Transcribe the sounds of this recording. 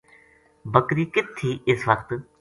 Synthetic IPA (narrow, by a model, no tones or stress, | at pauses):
bəkɾiːkɪt̪ʰːiːɪsʋəkt̪